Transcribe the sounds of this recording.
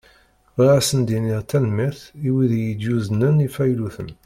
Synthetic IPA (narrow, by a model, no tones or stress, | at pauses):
ɾæsənd̪iniʁt̪ænmæθiwiðjid̪juznənifæjluθə̰n